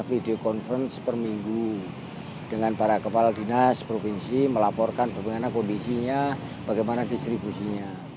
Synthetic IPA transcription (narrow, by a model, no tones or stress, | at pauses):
fideokɔnfənspərmiŋɡu | d̥əŋanpaɾakəpaladinaspɾofinsiməlapɔrkanbəbəŋanankondisiɲa | b̥aɡajmanadist̪ɾibusiɲa